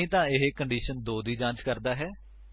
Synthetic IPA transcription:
ĩːt̪ãːɪɦeːkəɳɖiːʃənd̪oːd̪iːd͡ʒãːt͡ʃkəɾd̪aːɦɛː

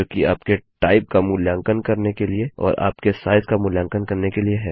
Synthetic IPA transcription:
oːkiaːpkeʈaːɪp̚kamʊljãːŋkənkɐɾnekelieɔ̰ːɾa̰ːpkesaːɪzkamʊljãːŋkənkɐɾnekelieɦɛː

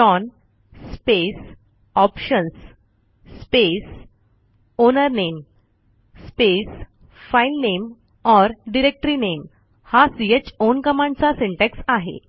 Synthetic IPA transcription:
ʈɔn | spes | ɔpɕənsː | pes | onəɾnem | spes | failnem | ɔɾɖiɾek̚ʈɾinem | hasiet͡ɕonkəmãnt͡sasẽɳʈeksaɦḛ

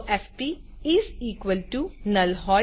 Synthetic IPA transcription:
ʔɛfpiɪziːkʋəlʈunɐlɦɔː

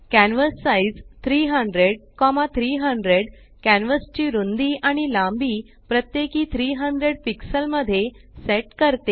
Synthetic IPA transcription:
kænʋəsːaid͡zt̪ʰɾiːɦəɳɖɾeɽkɔmat̪ʰɾiːɦəɳɖɾeɽ | kæ̃nʋəst͡ɕiːɾund̪iːʔaɽ̃ilãmbiː | pɾət̪jekiːt̪ʰɾiːɦəɳɖɾeɽpiksəlməd̪ʱːjeseʈkəɾt̪e

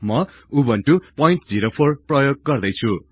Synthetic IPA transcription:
mʌ | ubʌnʈupʌjĩɳʈd͡ziɾopʰorprʌjoɡ̚ːʌrd̪ʌjt͡sʰu

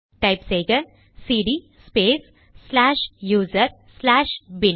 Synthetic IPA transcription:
ʈajpseːɡə | siːɖi | speːs | sːlaːʃjuːzəɾslaːʃbin

